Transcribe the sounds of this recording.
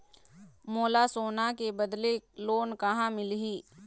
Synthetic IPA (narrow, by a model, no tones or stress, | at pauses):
moːlasoːnakebɐd̪leloːnkɐɦãmɪlɦiː